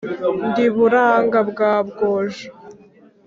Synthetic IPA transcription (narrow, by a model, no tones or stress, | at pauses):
ndiβuɾaŋɡabɡaːbɡoːʒa